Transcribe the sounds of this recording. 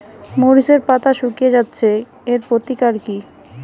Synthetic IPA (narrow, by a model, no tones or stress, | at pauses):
moɾiʃeɾpat̪aʃukijed͡ʑatːɕʰe | eɾpot̪ikaɾki